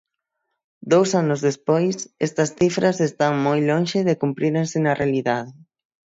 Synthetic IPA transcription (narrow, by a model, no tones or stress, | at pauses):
d̪owsanʊzðespojsɛst̪ɐsθifɾɐsest̪aŋmojloŋʃɪðekumpɾiɾensɪnɐrʔealiðaðɪ